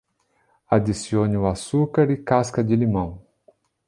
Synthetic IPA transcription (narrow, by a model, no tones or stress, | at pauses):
ad̪isiõnɪʊasukaɾɪkaskɐd͡ʒɪlimɐ̃w̃